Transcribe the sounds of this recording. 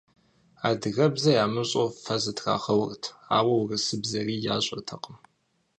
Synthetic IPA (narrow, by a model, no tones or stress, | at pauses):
aːdɨɣɐbzɐjaːmɨɕʼofɐzɨtʰra̰ːχɐwʊrtʰa̰ːwɐwrɨsɨbzɐriːjaːɕʼɐ̰rtʰɐqəm